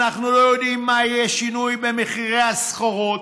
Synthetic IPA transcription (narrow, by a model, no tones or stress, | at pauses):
naχnulo̞jod̪imːaijeʃinujbemeχiʁeasχoʁot